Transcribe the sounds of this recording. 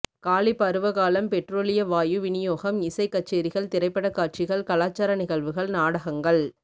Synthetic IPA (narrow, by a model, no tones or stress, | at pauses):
kaːlɪpːɐɾɯʋɐɣaːlɐmpɛʈroːlɪjɐʋaːjɯʋɪnɪjoːɣɐmɪsɐɪkːɐʈ̚t͡ʃeːɾɪɣɐɭt̪ɪɾɐɪpːɐɽɐkːaːʈ̚t͡ʃɪɣɐɭkɐlaːt͡ʃːaːɾɐnɪɣɐɭʋɯɣɐɭnaːɽɐɣɐŋɡɐɭ